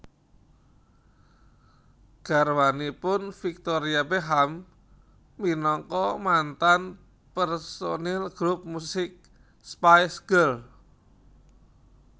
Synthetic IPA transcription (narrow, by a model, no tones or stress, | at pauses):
ɡ̥a̤rwanipʊnfik̚t̪oɾiabeɦamː | inɔŋkɔmant̪an | pɛrsonɛlɡ̥ɾup̚musɪk̚ | spajsɡ̥əl